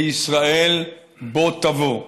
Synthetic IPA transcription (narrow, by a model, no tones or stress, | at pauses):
isʁael | bot̪avo